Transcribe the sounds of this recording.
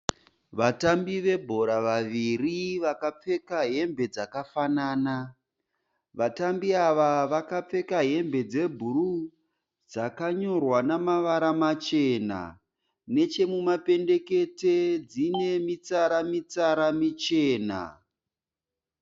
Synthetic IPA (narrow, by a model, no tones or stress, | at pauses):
ʋatambiʋe̞bʱo̞ɾaʋaʋiriʋakap͡fe̞kaɦe̞mbe̞d͡zakafanaːna | ʋatambiaʋaʋakap͡fe̞kaɦe̞mbe̞d͡ze̞bʱuɾu | d͡zakaɲo̞rwanamaʋaɾamat͡ʃe̞na̰ | ne̞t͡ʃe̞mumape̞nde̞ke̞te̞d͡zine̞mit͡saɾamit͡saɾamit͡ʃe̞ːna̰